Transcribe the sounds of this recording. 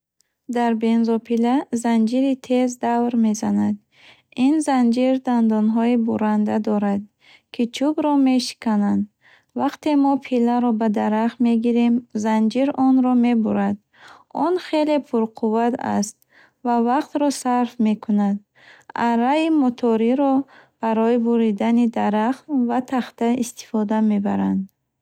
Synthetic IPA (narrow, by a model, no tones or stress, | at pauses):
d̪aɾbe̞nzɔpʰilazand͡ʒiɾit̪ʰe̞zd̪avɾme̞zanad̪ | inzand͡ʒiɾd̪and̪ɔnɦɔibuɾand̪ad̪ɔɾad̪̚ | kʰit͡ʃʰubɾɔmeʃi̥kʰanand̪ | vaqt̪ʰemɔpʰilːaɾɔbad̪aɾaχme̞ɡiɾemzand͡ʒiɾɔnɾɔme̞buɾad̪ | ɔnχe̞le̞pʰuɾqʰuvat̪a̰st̪̚ | vavaqt̪ɾɔsaɾfme̞kʰunad̪̚ | aɾaimɔt̪ʰɔɾiɾɔb̥aɾɔibuɾid̪anid̪aɾaχt̪vat̪ʰaχt̪aist̪i̥fɔd̪ame̞ba̰ɾand̪